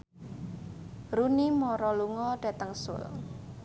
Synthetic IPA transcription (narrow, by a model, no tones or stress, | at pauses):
ɾunimɔɾɔluŋɔɖ̥a̤t̪əŋsʊ̰l